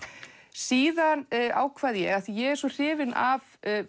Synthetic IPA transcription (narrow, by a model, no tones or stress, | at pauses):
siːðana̰ːwkʰv̥aːðjɛɣaθijɛɣɛɾ̥sɔr̥ɪːvɪnav